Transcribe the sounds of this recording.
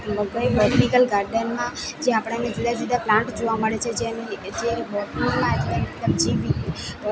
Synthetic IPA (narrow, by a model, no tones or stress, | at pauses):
bəɡəebɔɾʈikəlɡaɾɖənmãd͡ʒeapɽ̃aned͡ʒud̪ad͡ʒud̪aplãɳʈd͡ʒoʋaməɭet͡ʃʰed͡ʒenid͡ʒeibɔʈiŋmãet̪ant̪əmd͡ʒiʋi